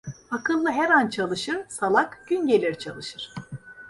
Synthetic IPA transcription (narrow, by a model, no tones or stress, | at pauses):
akʰɯlˠːɯɦɛɾant͡ʃʰalˠɯʃɯɾ̥salˠakɟ̥ynɟe̞lʲiɾt͡ʃʰa̰lˠɯʃɯɾ̥